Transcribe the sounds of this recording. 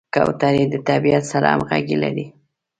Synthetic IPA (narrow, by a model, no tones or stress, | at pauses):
ka̰wt̪aɾed̪ət̪abijat̪saɾa̰a̰mɣaɡilaɾi